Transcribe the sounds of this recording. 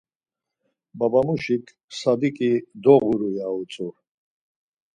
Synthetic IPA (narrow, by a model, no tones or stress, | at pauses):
babamuʃikʰ | sad̪ikʼid̪ɔɣuɾujaut͡sʼu